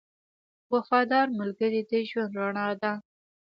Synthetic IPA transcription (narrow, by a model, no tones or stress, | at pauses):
wafɑd̪ɑɾmʊlɡəɾid̪əʒwand̪ɾaɳɑd̪a